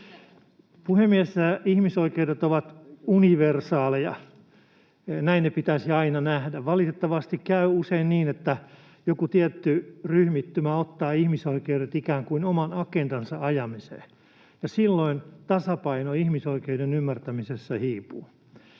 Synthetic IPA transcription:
puhemːiæssæihmisoikeudet̪oʋɑt̪uniʋersɑːlejɑ̰ | næinnepit̪æsiɑinɑnæhdæʋʋɑlit̪et̪ːɑʋɑst̪ikkæyuseinniːnet̪ːæ | jokut̪iɛt̪ːyryhmit̪ːymæot̪ːɑːihmisoikeuɾet̪ikæːŋkuinomɑnɑkend̥̪ɑnsɑɑjɑmisḛː | jɑsilːoint̪ɑsɑpɑinoihmisoikeudenymːært̪æmisesːæhiːpuː

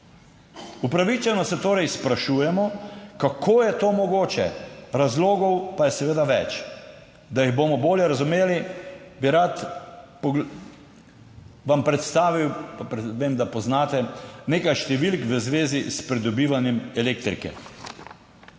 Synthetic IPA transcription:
upɾaʋit͡ʃɛnɔsɛt̪oːɾɛjspɾaʃuːjɛmɔkakʰoːjɛt̪oːmɔɡoːt͡ʃɛ̰ɾazloːɡɔwpajɛsɛʋeːd̪aʋɛt͡ʃ | d̪ajiɣbomɔboːljɛɾazumeːlibiɾat̪pɔ | ʋampɾɛt̪st̪aːʋiwppʋemd̪apɔznaːt̪ɛneːkajʃt̪ɛʋilkʋəzʋeːzispɾid̪ɔbiːʋanjɛmɛleːk̚t̪ɾḭkɛ̰

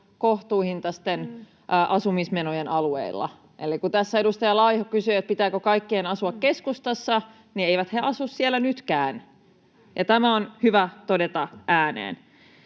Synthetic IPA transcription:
koht̪uːihint̪ɑst̪en | ʔʔɑsumismenojenɑluḛilːɑ̰ | ʔḛlikkut̪æsːæedust̪ɑjɑlɑjhokysyːet̪̚pit̪æːkøkɑikːeːnɑsuɑkke̞skust̪ɑsːɑ | nieijʋæt̪heʔɑsussielænyt̪kæːn | jɑt̪æmæonhyʋæt̪odet̪ɑʔæːnḛːn

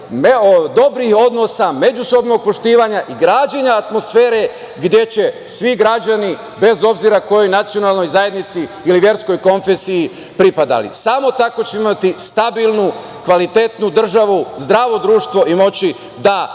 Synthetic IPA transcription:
meod̪o̞bɾiho̞d̪no̞same̞d͡ʑuso̞bno̞ɡ̚po̞ʃt̪iːʋaɲaʔiɡɾaːd͡ʑeɲaːt̪mo̞sfe̞ːɾe̞ | ɡd̪je̞t͡ɕe̞sʋiɡɾad͡ʑani | be̞zo̞bziɾako̞jo̞jnat̪sijo̞nalˠno̞jzaje̞d̪nit̪siːliʋje̞ɾsko̞jko̞nfesiji | pɾipad̪a̰lḭsamo̞t̪ako̞t͡ɕeimat̪ist̪abilˠnu | kʋalit̪et̪nud̪r̩ʒaʋuzd̪ɾaːʋo̞d̪ɾuːʃt̪ʋo̞ʔimo̞t͡ɕi | d̪a

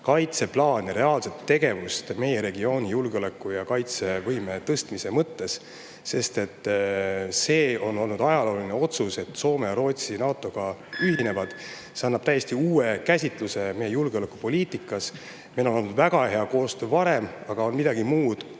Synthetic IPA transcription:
kɑjt̪se̞plɑːnɾe̞ɑːlse̞t̪ːe̞ɡe̞vust̪me̞je̞ɾe̞ɡio̞ːnʲijulɡeo̞le̞kːˑujɑkɑjt̪se̞vɤjme̞t̪ɤst̪mise̞mɤt̪ːe̞s | se̞st̪e̞t̪ˑː | se̞ːo̞nːo̞lnud̪̥ɑjɑlo̞ːlineo̞t̪suse̞t̪so̞ːme̞jɑɾo̞ːt̪sinɑːt̪ːˑo̞ɡ̥ɑyɦine̞vɑd̪̥ | se̞ɑnːɑb̥̚t̪æjːe̞st̪iuːe̞kæsʲit̪ˑluse̞me̞jejulɡ̥eo̞le̞kːˑupo̞lʲiːt̪ˑikːˑɑs | mejlo̞no̞lnud̪væɡ̥ɑhe̞ɑko̞ːst̪øːvɑɾe̞mɑɡ̥ɑo̞nmid̪ɑɡ̥imuːd̪̥

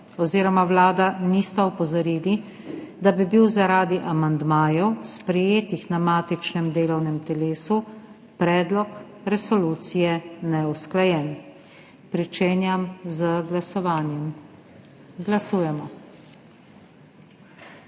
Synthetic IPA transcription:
ɔziːɾɔmawlaːd̪anist̪aɔpɔzɔɾiːli | d̪abibiwzaɾaːd̪iʔamand̪maːjɔwspɾɛjeːt̪ixnamaːt̪it͡ʃnɛmd̪eːlɔwnɛmt̪ɛleːsu | pɾɛːd̪lɔk | ɾɛsɔluːt̪sijɛnɛusklajɛːn | pɾit͡ʃeːnjamzəɡlasɔʋaːnjɛm | ɡlasuːjɛmɔ

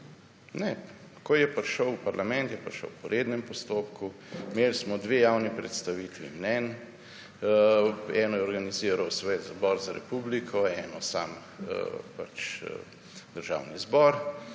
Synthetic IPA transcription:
nɛ | kɔjɛpɾʃəwpaɾlamɛnt̪jɛpɾʃə̰wpɔɾeːd̪nɛmpɔst̪oːpku | melsmɔd̪ʋejawnipɾɛt̪st̪aʋiːt̪ʋimnɛn | ɛnɔjɛɔɾɡaniziːɾawsʋɛt̪zbɔɾzaɾɛ̰publikʰɔɛːnɔsaːm̰ | pa̰t͡ʃ | d̪̥əɾʒa̰ːwnizbɔɾ

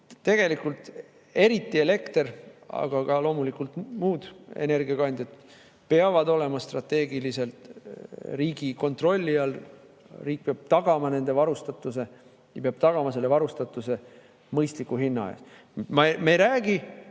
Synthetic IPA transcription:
t̪ːe̞ɡ̥e̞likult̪ | e̞ɾit̪ːˑie̞le̞kt̪erɑ̰ɡ̥ɑɡɑlo̞ːmulikult̪muːd̪̥e̞̰ne̞rɡiɑɡɑnd̪jɑt̪ | peɑvɑd̪o̞le̞mɑst̪rɑt̪ːe̞ːɡilise̞lt̪ | riːɡ̥iko̞nt̪ro̞lʲːiɑl | riːk̚peɑb̥̚t̪ɑɡ̥ɑmɑne̞nd̪̥e̞vɑɾust̪ɑt̪ːˑuse̞ | jɑpeɑb̥t̪ɑɡ̥ɑmɑse̞lːe̞vɑɾust̪ɑt̪ːˑuse̞ | mɤjst̪likːˑuɦinːɑɑ̰jɑ̰s | mɑmejɾæːɡ̥i

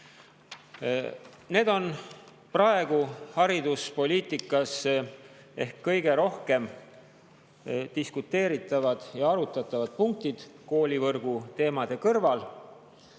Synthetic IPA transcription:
ne̞ːd̪̥o̞n | prɑe̞ɡ̥uhɑɾid̪uspo̞lʲiːt̪ˑikːˑɑs | e̞hkːɤjɡ̥e̞ɾo̞hke̞m | d̪̥iskut̪ːe̞ːɾit̪ːˑɑvɑd̪̥jɑɑɾut̪ːˑɑt̪ˑːɑvɑd̪̥̚puŋk̚t̪id̪̥ko̞ːlʲivɤrɡ̥ut̪e̞ːmɑd̪̥e̞kɤrvɑl

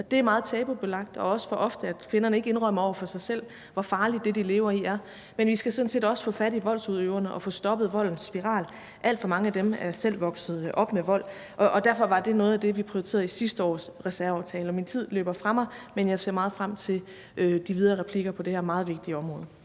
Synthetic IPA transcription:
d̥e̝æɐmɑːð̩ˠt͡sʰɛːb̥ob̥elɑ̈ɡ̥̚d̥ɒ̽ɒ̽sə̥fɒ̽ʔɒ̽fd̥əæd̥kʰʋe̝nɐnəe̝ɡ̥əe̝nʁɶmɐɒ̰ʊɐfɒ̽sɑ̈ɪsel̰ | ʋɒfɑ̈ːlid̥ːe̝d̥ile̝ːʊɐiæɐ | menʋisɡ̥æsɔ̽n̩se̝̰ːdɒ̽sə̥fɔ̽fæɾiʋɒ̽l̰suð̰ˠøʊɐnəʔɒ̽fɔ̰̽ːsd̥ɒ̽b̥ð̩ˠʋɒ̽l̰n̩sːb̥iʁɑ̰̈ːl | ʔæl̰d̥fɒ̽mɑ̈ŋəæd̥emæɐsel̰ʋɒ̽ɡ̥sð̩ˠʔɒ̽b̥meʋɒ̽l̰ | ʔɒʔɒ̽d̥æɐfɒ̽ʋɑ̈d̥e̝nɔ̽ːð̩ˠæd̥e̝ʋipʰʁiʊit͡sʰe̝̰ːɐð̩ˠisisd̥əɒ̰ːsʁɛsæɐɑ̈ʊt͡sʰɛːlɒmint͡sʰið̞̰ˠlø̰ːb̥ɐfʁɑ̈mɑ̈ɪmenjɑ̈ɪse̝ɐmɑ̈ːð̩ˠfʁam̰t͡sʰe̝l | ʔød̥iʋiðˠɐʁɛpʰliɡ̥ɐpʰɒ̽d̥e̝hæɐmɑ̈ːð̞̩ˠʋe̝ɡ̥̚d̥iəɒ̽mʁɔ̽ːð̞ˠ

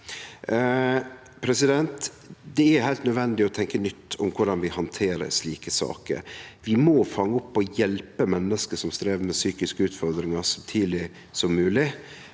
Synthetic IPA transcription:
pʰɾɛsɪd̪ɛnt̪ | d̪ɛɛɾhæɪlt̪nœd̪ʋɛnd̪ɪɔt̪ʰɛŋkənʏt̪ːʊmkʰʊɖɑnʋɪhɑnt̪ʰeːɾə̰ɾʂliːkəsɑ̰ːkə̰ɾʋɪmoːfɑŋːəʊpːɔjɛlpəmɛnːəskəʂɔmst̪ɾeːʋəmɛsyːkɪskəʉːt̪fɔɾd̪ɾɪŋɑɾsɑmt̪ʰyːlɪ | sɔmːʉːlɪ

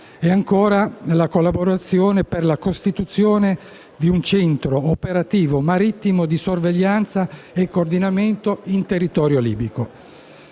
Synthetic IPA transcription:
ɛaŋkoːɾalakolːaboɾat̪sːjoːneperlakost̪it̪ut̪sːjoːne | d̪iunt͡ʃɛnt̪ɾoːpeɾat̪iːvomaɾit̪ːimod̪isorveʎːant̪sa | ekːoːrd̪inament̪oint̪erːit̪ɔːɾjolḭːbiko

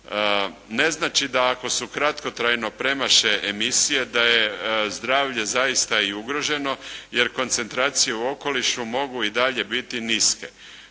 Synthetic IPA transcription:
ne̞znaːt͡ʃid̪aːko̞sukɾat̪ko̞t̪ɾajno̞pɾe̞maʃeʔemisije̞d̪aje̞zd̪ɾaːʋʎe̞zajist̪aiuɡɾo̞ʒe̞no̞je̞ɾko̞nt̪se̞nt̪ɾaːt̪sije̞uo̞ko̞liʃumo̞ɡuid̪aʎe̞bit̪iniske̞̰

